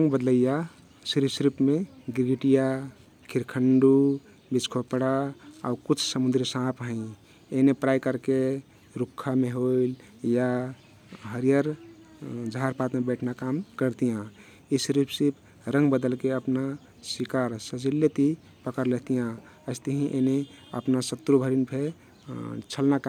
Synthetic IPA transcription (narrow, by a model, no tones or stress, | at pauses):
ɾəŋɡbəd̪ləija | sɾipsɾipmeɡiɾɡiʈija | kʰiɾkʰəɳɖu | bit͡ʃkʰopɽaa̰ukut͡ʃʰsəmũnd̪ɾisãpɦə̃ĩ | enepɾajkəɾke | ɾukʰːameɦoil | ja | ɦəɾijəɾ | d͡ʒɦaɾpat̪mebəɪʈʰnakamkəɾt̪ijã | isɾipsipʰ | ɾə̃ŋɡbəd̪əlkeəpna | sikaɾsəd͡ʒilːet̪i | pəkəɾlet̪ijã | əɪst̪əɦĩʔḛneə̰pnasət̪ːɾubʱəɾinpʰe | t͡ʃʰəlnaka